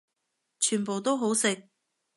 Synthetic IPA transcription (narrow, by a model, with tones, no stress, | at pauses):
t͡ʃʰyː˨˩npo˨˩wt̪o˥wɦo˨˥wsɪ˨k̚